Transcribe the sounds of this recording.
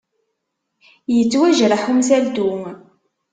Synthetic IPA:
jət͡sːwæʒɾaħumsæld̪u

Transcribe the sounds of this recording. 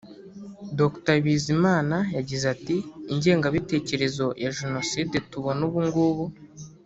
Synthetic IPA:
doktaβizimaːnajaɟizatiːɲɟe̞ːŋɡaβite̞ːce̞ɾe̞zo̞jaʒeno̞sidetuβo̞nuβuŋɡuβu

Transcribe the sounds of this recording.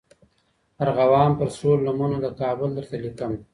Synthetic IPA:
aɾɣawɑːmpəɾsɾolːamunod̪əkɑːbʊld̪əɾt̪alikəm

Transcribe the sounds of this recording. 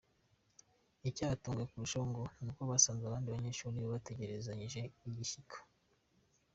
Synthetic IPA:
icaːatuːŋɡwekuɾuʃoːŋɡonukoβasaːŋɡaβaːndiβaɲe̞ːʃuɾiβoβateɟe̞ɾe̞zaɲiʒe̞iɟiçikʰo̥

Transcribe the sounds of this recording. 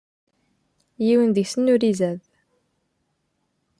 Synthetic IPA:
jiwənðəʝsənːuɾizæð

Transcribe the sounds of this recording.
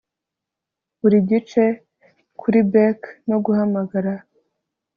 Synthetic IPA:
βuɾiɟit͡ʃe̞ | kʰuɾibekno̞ɡuhamaɡaɾa

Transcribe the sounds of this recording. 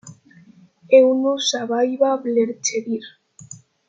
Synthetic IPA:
eunosaβajβaβleɾt͡ʃeβiɾ

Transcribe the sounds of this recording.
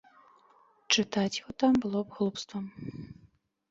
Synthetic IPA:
t͡ʂɨt̪at͡sʲjɣɔt̪ambɨlˠɔbɣlˠupst̪vɐm

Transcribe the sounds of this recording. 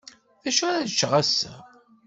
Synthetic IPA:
ðæʃaɾæðt͡ʃːʁæsːæ̰

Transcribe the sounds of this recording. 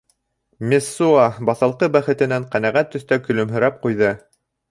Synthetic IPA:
mʲesːuɑbɑθɑlˠqɤbæχɘ̆t̪ɘ̆næɴqænæʁæt̪ːɵ̆θt̪ækɵ̆lɵ̆mɦɵ̆ɾæp̚qujðɤ

